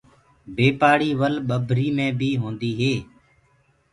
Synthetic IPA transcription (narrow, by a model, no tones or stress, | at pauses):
beːpaːɽiːʋəlɓəbʱɾiːmẽːbʱiːɦõːnd̪iːɦeː